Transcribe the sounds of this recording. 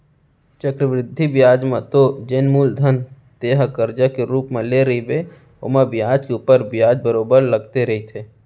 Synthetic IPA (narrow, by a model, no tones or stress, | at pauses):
t͡ʃəkɾəʋɾɪd̪ʱːibjaːd͡ʒmãt̪od͡ʒenmuːld̪ʱən | t̪eːɦkəɾd͡ʒakeɾuːpmẽleɾəibʱe | o̰mebjaːd͡ʒkeuːpəɾbjaːd͡ʒbəɾoːbəɾləɡt̪eɾɐɦit̪ʰeː